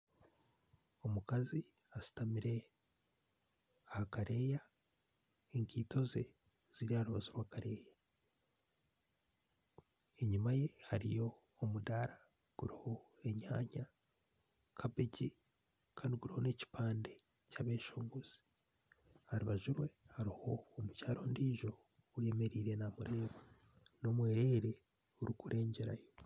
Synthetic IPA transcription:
o̞mukazi | asi̥tamiɾe̞ | ahakaɾe̞ja | eŋkiːto̞ze | z̥iɾihaɾuβazuɾwaːkaɾe̞ːja | eɲumaje̞haɾijo̞ː | mudaɾa | ɡ̥uɾiho̞ | e̞ɲaːɲa | kʰabeɟi | kaːndiɡuɾiho̞ne̞ci̥paːnde̞ | caβe̞ːʃoːŋɡuz̥i̥ | haɾuβaʒuɾwe̞haɾiho̞ːmucaːɾo̞ndiːʒo̞ː | je̞me̞ɾiːɾe̞namuɾe̞ːβa | no̞ːmwe̞ːɾe̞ːɾe̞ | uɾikuɾʔe̞ːɲɟeɾa̰jo

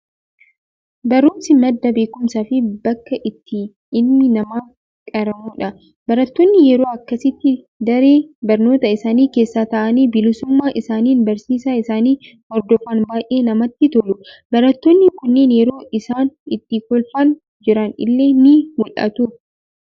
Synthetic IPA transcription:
bɐɾuːmsɪmɐd̪ːɐbeːkʊmsaːfɪbɐkːɐʔɪt̪ːɪ | ɪːɪnɐmaː | kʼɐɾɐmuːᶑɐ | bɐɾɐt̪ːoːnːɪjɛɾo̞ːɐkːɐsɪt̪ːɪ | d̪ɐɾeːbɐɾno̞ːt̪ɐɪsaːniːke̞ːsːaːt̪ɐʔɐniːbɪlɪsʊmːaːʔɪsaːniːnbɐɾsiːsaːɪsaːniː | hɔɾd̪ɔfɐnbaːjʔe̞ːnɐmɐt̪ːɪt̪ɔlʊbɐɾɐt̪ːonːɪkʊnːeːnjɛɾo̞ːʔɪsaːnɪt̪ːɪkɔlfɐn | d͡ʒɪɾɐnɪ̰lːe̞ːnɪmʊlʔɐ̰t̪u

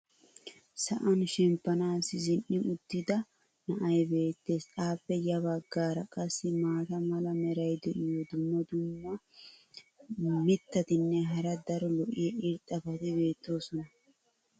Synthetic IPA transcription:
sɐʔɐnʃɛmpːɐnaːsɪzɪnːɪʔʊd̪ːɪd̪ɐ | nɐʔɐjbe̞ːt̪ːe̞ːsaːpːɛjɐbɐɡːaːɾɐkʼɐsːɪmaːt̪ɐmɐlɐmɛɾɐjd̪ɛʔɪjɔd̪ʊmːɔd̪ʊmːɐ | mɪt̪ːɐt̪ɪnːɛɦɐɾɐd̪ɐɾɔlɔʔɪjɛʔɪɾt̪ʼːɐfɐt̪ɪbe̞ːt̪ːo̞ːsɔnɐ

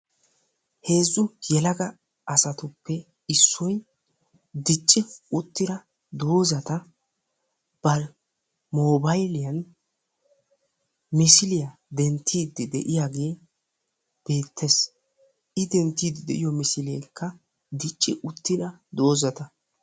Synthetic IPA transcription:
he̞ːzːʊjɛlɐɡɐ | ʔɐsɐt̪ʊpːɛ | ɪsːɔj | d̪ɪt͡ʃʼːɪʊt̪ːɪd̪ɐ | d̪o̞ːzɐt̪ɐ | b̥ɐɾ | moːbɐjlɪjɐn | mɪsɪlɪjɐd̪ɛnt̪ʰːiːd̪ːɪd̪ɛ̰ʔɪjaːɡe̞ː | b̥e̞ːt̪ʰːes | ʔɪd̪ɛnt̪ːiːd̪ɪd̪ɛ̰ʔɪjɔmɪsɪlɪjɛjkʰːɐ | d̪ɪt͡ʃʼːɪ̰ʔʊt̪ːɪd̪ɐd̪o̞ːzɐt̪ɐ

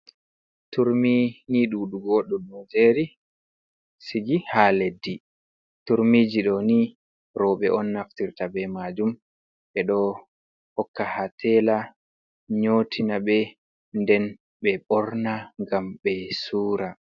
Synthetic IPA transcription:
tuɾminiɗuːɗuɡoɗunːɔd͡ʒeɾi | siɡihaledːi | tuɾmiːd͡ʒiɗɔni | ɾɔɓɛʔɔnːaftiɾtabɛmad͡ʒum | ɓɛɗɔ | hɔkːahatʰɛla | ɲotʰinabɛ | ndɛn | ɓɛɓɔɾnaŋɡamɓɛsuːɾa

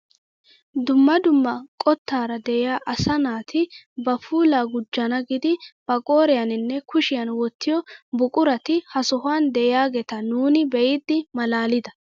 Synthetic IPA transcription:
d̪ʊmːɐd̪ʊmːɐkʼɔt̪ːaːɾɐd̪ɛʔɪjaːʔɐsɐnaːt̪ʰɪbɐfuːlaːɡʊd͡ʒːɐnɐɡɪd̪ɪb̥ɐkʼoːɾɛjɐnɪnːɛkʰʊʃɪjɐnwɔt̪ʰːɪjɔbʊkʼʊɾɐt̪ɪhɐsɔhʊaːnd̪ɛʔɪjaːɡɛt̪ɐnuːnɪbɛjɪd̪ːɪmɐlaːlɪd̪ɐ

